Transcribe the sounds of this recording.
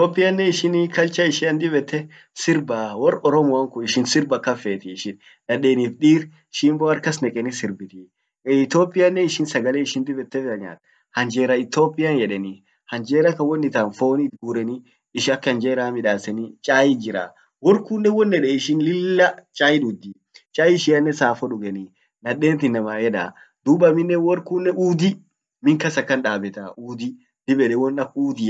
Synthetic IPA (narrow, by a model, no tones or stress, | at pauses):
ɪt̪oːpʼːɪjɐnːɛɪʃɪnkɐlt͡ʃɐɪʃɪɐnd̪ɪbɛt̪ːɛ | sɪɾbaːwɔrɔɾɔmɔɐŋkʊɪʃɪnsɪɾbɐkːɐfeːt̪ɪːʃɪn | ᶑɐᶑeːniːfɗiːɾ | ʃimboːɐɾkɐsnɛkʼɛnisɪɾbɪt̪i | ɪt̪oːpʼːɪjɐnːɛɪʃɪnsɐɡɐleɪʃɪnd̪ɪbɛt̪ːɛfɐɲa̰ːt̪ | hɐnd͡ʒeːɾɐɪt̪oːpʼɪjɐnjɛᶑɛni | hɐnd͡ʒeːɾɐkɐwɔnːɪt̪aːnfoːnit̪ɡuːɾɛni | ɪʃɐkːɐnd͡ʒeːɾaːmɪᶑaːsɛnit͡ʃʼaːjɪd͡ʒɪɾa̰ː | wɔɾkuːnːɛwɔnːɛᶑɛɪʃɪnlɪlːɐt͡ʃʼaːjɪᶑud̪i | t͡ʃʼaːjɪʃɪɐnːɛsaːfɔᶑʊɡɛni | nɐᶑeːnt̪ɪnːɐmaːjɛᶑa̰ː | d̪̥uːbɐmɪnːɛwɔɾkuːnːɛʔuːd̪ɪ | mɪŋkɐsɐkːɐnᶑaːbɛt̪auːd̪ɪ | d̪̥ɪbɛᶑɛwɔnːɐkuːd̪ɪ